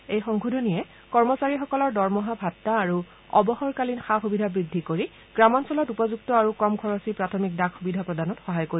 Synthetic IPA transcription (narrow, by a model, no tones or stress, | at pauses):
ejxɔŋkʰudʱɔnijɛ | kɔɹmɔsaɹixɔkɔlɔɹdɔɹmɔɦabʱatːaːɹu | ɔ̰bɔxɔɹkalinxaxubidʱabɹidʱːikoɹi | ɡɹamɔnsɔlɔtupɔzuk̚tɔaɹukɔmkʰɔɹɔsipɹatʰɔmik̚dakxubidʱapɹɔdanɔtxɔɦajkoɹi